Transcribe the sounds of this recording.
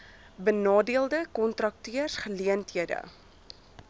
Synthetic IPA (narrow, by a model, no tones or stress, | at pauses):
bənɑːdiəlˠdəkɔntrɐk̚tiərsχəliəntɦiədə̰